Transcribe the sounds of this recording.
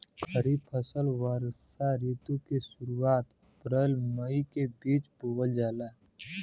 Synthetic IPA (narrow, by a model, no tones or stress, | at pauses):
kʰəɾipʰəsəlwaɾaɾiːt̪ukesʊɾuaːt̪ | əpɾəlməikebiːt͡ʃpoɡəld͡ʒaːlaː